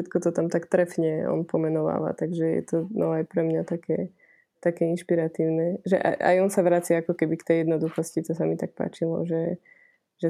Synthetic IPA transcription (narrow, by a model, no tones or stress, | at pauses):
ɛt̪kɔt̪ɔt̪amt̪akt̪ɾɛfɲɛɔ̰npɔmɛnɔʋa̰ːʋa̰t̪aɡʒɛjɛ̰t̪ɔnɔajpɾɛmɲat̪akɛː | t̪akɛːinʃpiɾat̪iːʊnɛʒɛ̰ʔa̰ʔa̰jɔnsaʋɾaːt͡siaakɔkɛbikt̪ɛjɛd̪nɔd̪uxɔscit̪ɔsamit̪ak̚pa̰ːt͡ʃilɔ̰ʒɛ | ʒ̥ɛ